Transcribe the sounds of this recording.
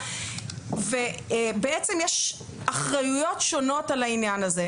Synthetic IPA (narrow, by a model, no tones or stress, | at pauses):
vebeet͡semjɛʃ | aχʁajujo̞tʃo̞no̞talainjanaze